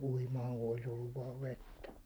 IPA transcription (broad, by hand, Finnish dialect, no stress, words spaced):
uimɑːŋ ku olis olːuʋ ʋɑːʋ ʋetːæ